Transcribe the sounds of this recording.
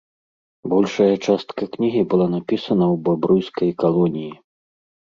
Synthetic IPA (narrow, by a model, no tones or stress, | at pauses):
bɔlʲʂɐjɐt͡ʂast̪kɐknʲiɣʲibɨlˠanapʲisɐnɐwbabɾujskɐjkalˠɔnʲiji